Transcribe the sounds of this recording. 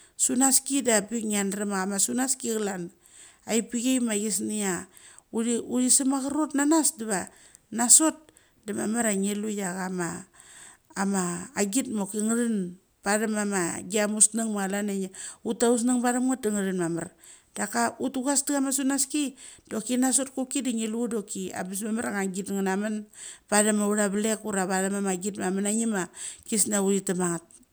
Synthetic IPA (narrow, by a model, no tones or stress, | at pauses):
sunaskidabiŋianɾemaɣamasunaskiɣlan | ajpiɡejmaɡisnia | uɾiuɾisamaɣaɾotnanasdiβa | naso̞t̚ | damamaɾaŋelujaɣamaː | maːɡitmokiŋɾin | b̥adamamaɡiamusnaŋmaalanaɲautaus̬naŋbadamŋat̚diŋɾinmamaɾ | d̥akautuɡasdiɡamasunaskid̥o̞kinas̬o̞t̚kukidiŋeludokia̰bis̬mamaɾaŋaɡitŋanamanpadamauɾaβlekuɾaβadamamaɡitmamanaɲimakisnauitamaŋat̚